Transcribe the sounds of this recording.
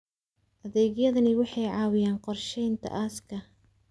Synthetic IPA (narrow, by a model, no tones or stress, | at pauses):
ʔɐðɛːɣjɐðɐnɪwɑħɑjʕɑːwɪjaːnqɔrʃɛjnt̪ʰɐ̰ʔaːskʰɐ